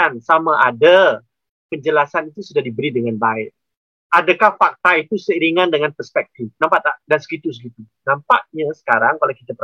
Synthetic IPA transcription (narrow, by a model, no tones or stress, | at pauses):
ansamaʔada | pəɲd͡ʒəlasanit̪usudahdibəɾidəŋanbaɪʔ̚ | ʔadakahfak̚t̪ait̪usəiɾiŋandəŋanpərspɛk̚t̪ifnampaʔt̪adansə̥ɡit̪us̬əkit̪u | nampa̰ʔɲasə̥kaɾaŋkalawkit̪apə